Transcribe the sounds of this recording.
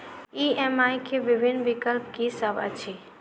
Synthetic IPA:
iemajkʰebibʱinːbikəlpkisəbə̰t͡ʃʰi

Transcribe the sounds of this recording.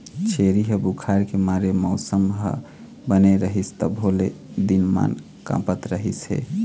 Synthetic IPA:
t͡ʃʰeɾiɦəbukʰaɾkemaɾeməʊsəmɦə̰ | bəneɾəɦist̪əbʱoled̪inma̰n | kã̰pət̪ɾəɦisɦḛ

